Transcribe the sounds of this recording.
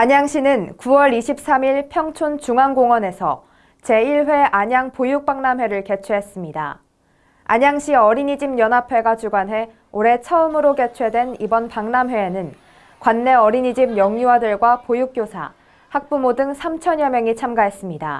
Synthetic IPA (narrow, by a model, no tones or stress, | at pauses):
aɲaŋɕ͈ʰinɯnkuwʌɾiɕʰip̚s͈amiɭpʰjʌŋt͡ɕʰont͡ɕuŋaŋɡoŋwʌne̞sʰʌ̰ | t͡ɕe̞iɭɸwe̞ʔaɲaŋpojuk̚p͈aŋnamɦweɾɯɭke̞t͡ɕʰweɦe̞s͈ɯmɲida̰ | a̰ɲaŋɕ͈ʰiʌɾiɲid͡ʑimjʌnapʰe̞ɡat͡ɕuɡwanɦe̞ | oɾe̞t͡ɕʰʌɯmɯɾoke̞t͡ɕʰwe̞dwe̞nibʌnpaŋnamwe̞ːnɯn | kwanːe̞ʌɾiɲid͡ʑimjʌŋɲuwadɯɭɡwapojuk̚k͈josʰa̰ | hak̚p͈umodɯŋsʰamt͡ɕʰʌɲjʌmjʌŋit͡ɕʰamɡaɦe̞s͈ɯmɲida̰